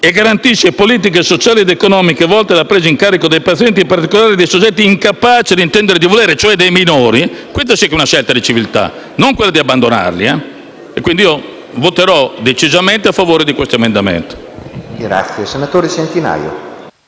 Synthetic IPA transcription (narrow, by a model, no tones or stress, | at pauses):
eɡːaɾant̪iʃːepoliːt̪̬ik̬esot͡ʃaːlied̪ekonɔːmikevɔlt̪elapːɾeːziŋkaːɾikod̪ejpat̪sijɛnt̪̬impaɾt̪ikolaːɾid̪ejsod͡ʒːɛt̪̬ːiːŋkapaːt͡ʃed̪int̪ɛnd̪eɾed̪ivolɛːɾet͡ʃoɛd̪ejminoːɾikwest̪asɛkːeunaʃɛlt̪ad̪it͡ʃivilt̪a̰ | noŋkwelːad̪iabːand̪ona̰rlia | ekwind̪iiːo | vot̪eɾɔd̪et͡ʃizamɛnt̪eafːavoːɾed̪ikwest̪oemend̪amḛnt̪i̥ | ɡɾa̰t̪sjesenat̪oːɾesent̪ina̰ːjo̰